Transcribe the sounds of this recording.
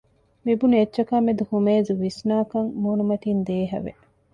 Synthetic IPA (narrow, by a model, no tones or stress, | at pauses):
mibunietːʃɐkamːed̪uhumeːzuʋisnaːkɐŋmuːnumɐt̪ind̪eːɦɐ̰ʋḛ